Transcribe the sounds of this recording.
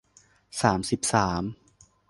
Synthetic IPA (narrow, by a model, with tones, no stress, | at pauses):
saː˩˦msi˨˩p̚saː˩˦m